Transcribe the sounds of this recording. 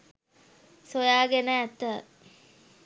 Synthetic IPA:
sojaːɡenəːt̪ə

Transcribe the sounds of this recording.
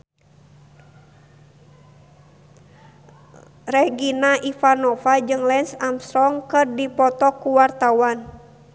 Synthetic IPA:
rɛɡinaʔifanɔfad͡ʒɨŋlɛnsamst̪ɾɔŋkɨrdipɔt̪ɔkuwart̪awan

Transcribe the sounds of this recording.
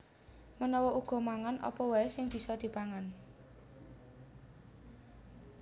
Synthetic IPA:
mənɔwɔuɡ̥ɔ̤maŋanʔɔ̰pɔwaesɪŋb̥i̤sɔd̪̥i̤paŋan

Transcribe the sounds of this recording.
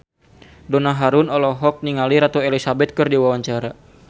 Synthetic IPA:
dɔnaɦaɾunɔlɔɦɔk̚niŋaliɾat̪ɔɛlisabɛt̪̚kɨrdiwawaɲt͡ʃaɾa

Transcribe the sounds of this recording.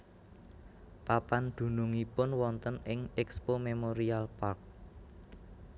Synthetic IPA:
papand̪̥ṳnuŋipʊnwɔnt̪ənɪŋɛkspomemoɾialpark̚

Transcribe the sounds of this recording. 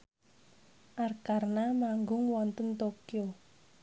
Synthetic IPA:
ʔarkarnamaŋɡʊŋwɔnt̪ənt̪okjo

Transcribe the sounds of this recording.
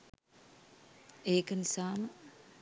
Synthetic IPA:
eːkənisaːmə

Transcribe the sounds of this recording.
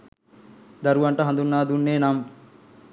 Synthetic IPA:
d̪ɐɾuʋɐɳʈɐɦɐnd̪unːaːd̪unːeːnam

